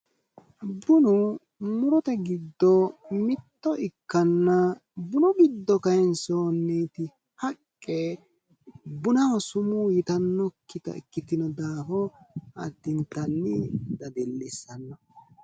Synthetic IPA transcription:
bʊnʊ | mʊɾɔt̪ɐɡɪd̪ːɔmɪt̪ːɔʔɪkːɐnːɐbʊnɔɡɪd̪ːɔkɐjɛnsoːnːiːt̪ɪ | hɐkʼːɛ | bʊnɐwɔsʊmuːjɪt̪ɐnːɔkːɪt̪ɐ̰kːɪt̪ːɪnɔd̪aːɦɔɐt̪ːɪnt̪ɐnːɪd̪ɐd̪ɛlːɪsːɐnːɐ

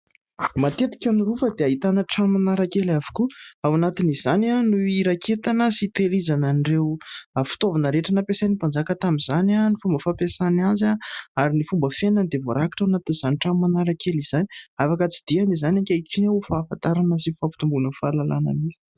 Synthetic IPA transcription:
mat̪et̪i̥kʲanuɾufəd̪eaɦit̪anəʈ͡ʂammanaɾakelavu̥kuawanat̪inizananuiɾakʰet̪anəsit̪eɾizananirewafi̥t̪ovanəɾeʈ͡ʂanəpesanipand͡zakət̪amizananifumbəfapesanazaaɾinifumbəfenənd̪evoɾakḁʈ͡ʂawanat̪iniz̥aniʈ͡ʂammanaɾakeliz̥aniafakat͡si̥d̪̥ianizanaŋkʲaiʈ͡ʂineufafant̪aɾanəsifapi̥t̪umbunəfalala̰nə̰misi̥

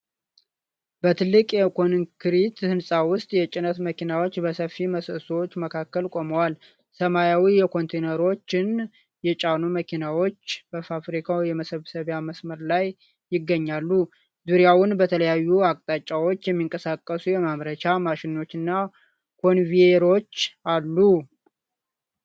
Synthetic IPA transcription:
b̥ət̪ʰɨlːɨkʼjɛkʰo̞nŋkʰɨɾit̪hɨnsʼawʊst̪ʼjɛt͡ʃʼɪnət̪məkʰinawo̞t͡ʃːbəsəfːiməsəswot͡ʃːməkʰakːəlkʼo̞məwal | səmajawijɛkʰo̞nt̪ʰenəɾo̞t͡ʃːɪn | jɛt͡ʃʼanuməkʰinawo̞t͡ʃːbəfafɾikʰawjɛməsəβsəβjaməsməɾlajː | ɪɡːəɲːalːu | zuɾijawʊnbət̪ʰələjajːuakʼt̪ʼat͡ʃʼːawo̞t͡ʃːjɛmːiŋkʼəsakʼːəsujɛmaβɾət͡ʃamaʃɪno̞t͡ʃːɨnːa | kʰo̞nvieɾo̞t͡ʃːalːu

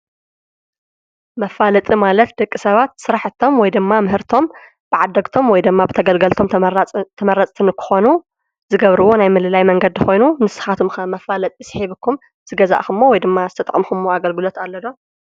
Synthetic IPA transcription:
mɐfalɐt̪ʼimalɐt̪d̪ɐkʼːisɐβat̪sɨɾaħɨt̪ʰːo̞mwɔjd̪ɨmːamɨɦɨɾt̪ʰo̞m | b̥ɨʕad̪ːɐɡt̪ʰo̞mwɔjd̪ɨmːabɨt̪ʰɐɡɐlɡɐlt̪ʰo̞mʼt̪ʰɐmɐɾɐt͡sʼt̪ʰɨnɨkʰɨ̥xo̞nu | zɨɡɐβɾɨwo̞najmɨlɨlajmɐŋɡɐd̪ɨxo̞jnumɨsɨ̥xat̪ʰumxɐmɐfalɐt̪ʼɨsɨħiβɨkʰːum | z̥ɨɡɐza̰ʔxumːowɔjd̪ɨmːazɨ̥t̪ʰɐt̪ʼɐ̰kʼmxumːoaɡɐlɡɨlo̞t̪alːɐd̪o

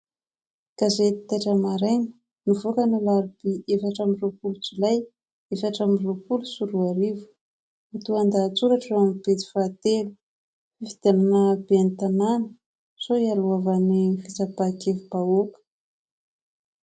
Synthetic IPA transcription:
kazet̪i̥t̪aʈ͡ʂəmaɾenə̥ | nuvokanilaɾibiefaʈ͡ʂamiropulut͡sulaj | efaʈ͡ʂamiropulusuɾuaɾivu̥ | it̪uand̪aːt͡suɾaʈ͡ʂamibet̪i̥fat̪elu̥ | fid̪̥ananabeant̪ananə̥ | soialuavanifit͡sabakevubaokə̥

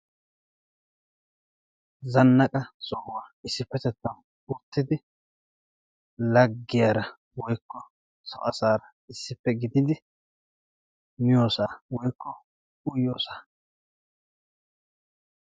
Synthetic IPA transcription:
zɐnːɐkʼɐsʼɔhʊwaːɪsːɪpːɛt̪ɛt̪ːɐm | ʊt̪ːɪd̪ɪ | lɐɡːɪjaːɾɐ | wɔjkːɔ | sɔ̰ʔɐsaːɾɐ | ɪsːɪpːɛɡɪd̪ɪd̪ɪ | mɪjo̞ːsaːwɔjkːɔ | ʊjːoːsaː

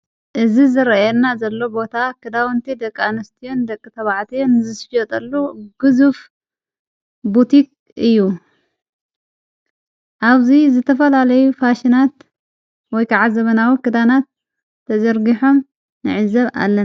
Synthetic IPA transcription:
ʔɨzizɨɾɐjɛnːazɐlːo̞bo̞t̪ʰakʰɨd̪awɐnt̪ʰid̪ɐkʼːanɐst̪ʰijond̪ɐkʼːɨt̪ʰɐβaʕt̪ʰijonzɨsfjot̪ʼɐlːuɡ̥ɨzuf | but̪ʰik̚ʼ | ɨjːu | ʔaβzizɨt̪ʰɐfɐlalɐjufaʃinat̪ | wɔjkʰaʕazɐβɐnawikʰɨd̪anat̪ʰː | ɐzɐɾɡiħo̞m | nɨ̰ʕɨzɐβa̰lːɐn

